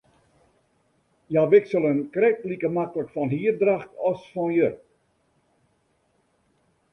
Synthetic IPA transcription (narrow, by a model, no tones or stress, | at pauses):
jaʋɪksəlˠənkrɛktlikəmakləkfɔnɦiərdraxtɔsfɔnjər